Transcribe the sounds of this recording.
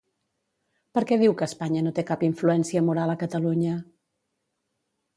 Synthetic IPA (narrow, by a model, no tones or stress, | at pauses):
pəɾkɛð̞iwkəːspaɲənot̪ekapiɱfluɛnsiəmuɾaləkət̪əluɲə